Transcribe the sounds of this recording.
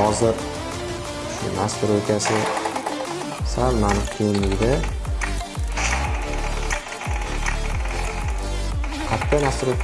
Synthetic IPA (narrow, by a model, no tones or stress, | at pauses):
ɒzɪɾ | ʊʃʊ̰nast̪ɪɾokʲʰasɪ | salmanɪkʲʰejɪnlɪɡʲd̪a | kʰat̪ʰːanast̪ɪɾokʲ